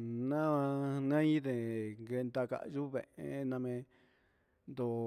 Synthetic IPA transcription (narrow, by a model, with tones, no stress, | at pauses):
nã˦a˧nã˦ĩ˦ðe˨ŋɡe˧nd̪a˧ka̰˧˨ʔʒu˦βḛ̃˨˧ʔẽ˧nã˧mẽ˧ | nd̪o˨